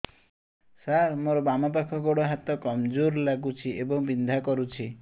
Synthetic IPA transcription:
saɾmoɾɔbamɔpakʰɔɡoɽɔɦat̪ɔkɔmd͡ʒoɾlaɡut͡ʃʰiʔebɔŋbind̪ʱakɔɾut͡ʃʰi

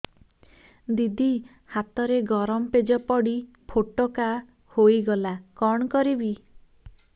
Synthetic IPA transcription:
d̪id̪i | hat̪ɔɾeɡɔɾɔmɔped͡ʒɔpɔɽi | pʰoʈoka | hojɡɔlakɔɳ̃ɔkɔɾibi

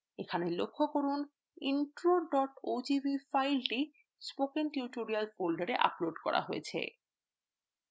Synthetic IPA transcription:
ekʰanelokʰːokoɾun | iɳʈɾoɖɔʈod͡ʑibifajlʈi | spokenʈjuʈoɾialfolɖaɾeʔa̰ploɖkɔ̰ɾa̰ɦojḛt͡ɕʰḛ

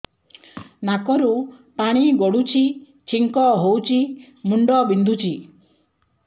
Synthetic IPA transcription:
nakɔɾupaɽ̃iɡɔɽut͡ʃʰi | t͡ʃʰiŋkɔɦowt͡ʃʰi | muɳɖɔbind̪ʱut͡ʃʰi

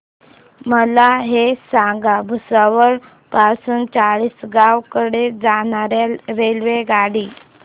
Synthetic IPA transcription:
məlaɦesãɡabʱusaʋəɾ | pasuːnt͡saɭiːsɡãʋkəɽed͡zaɳaɾjalɾelʋeɡaɽiː

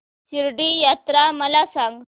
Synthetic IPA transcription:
siɾɖijat̪ɾaməlasaŋɡ

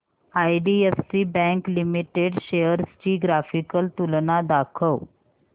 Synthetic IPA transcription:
ajɖiefsibɛ̃ŋklimiʈeɖɕejəɾst͡ɕiːɡɾafikəlt̪ulnad̪akʰəw

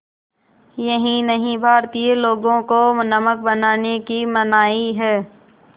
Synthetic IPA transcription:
jɐɦĩnɐɦĩbʱaːɾt̪ieloːɡõkomʊnəmək̚bɐnaːnekimɐnaːiɦɛː

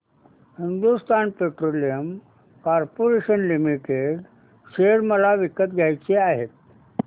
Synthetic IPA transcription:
hind̪ust̪anpeʈɾolijəm | kaɾpoɾeɕənlimiʈeɖ | ɕeɾməlaʋikət̪̚ɡʱjajt͡ɕeaɦet̪̚

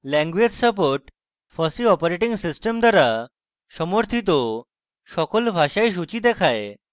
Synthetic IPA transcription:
lɛ̃ŋɡʋed͡ʑsəp̬oɾʈ | fəsiɔpəɾeʈĩŋɡsisʈəmd̪ʱaɾa | ɕəmoɾt̪ʰit̪ɔ | ɕɔkolbʱaɕajɕ̬ut͡ɕid̪ɛkʰaj

